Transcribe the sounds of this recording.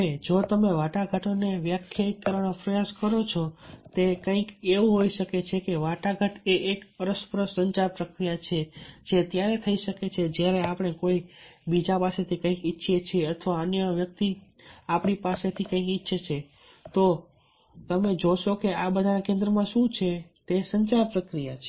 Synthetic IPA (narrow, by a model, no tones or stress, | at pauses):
ed͡ʒot̪əmeʋaʈaɡʱəʈʰoneʋjəkʰjaikːəɾʋanopɾəjaʃkəɾot͡ʃʰot̪ekə̃ɪ̃keʋũɦoiʃəket͡ʃʰekeʋaʈaɡʱəʈʰeʔekəɾəspɾəsəɲt͡ʃaɾpɾəkɾijat͡ʃʰet͡ʃet̪jaɾet̪ʰəiʃəket͡ʃʰed͡ʒjaɾeapɽ̃ekoibid͡ʒapaset̪ʰikə̃ĩkitːʃʰet͡ʃʰeət̪ʰʋaənjəʋjək̚t̪i | apɳ̃ipaset̪ʰikə̃ĩkɪtːʃʰət͡ʃʰe | t̪o | t̪əmed͡ʒoʃokeabəd̪ʱanakẽnd̪ɾəmãʃũt͡ʃʰet̪esəɲt͡ʃaɾpɾəkɾijat͡ʃʰe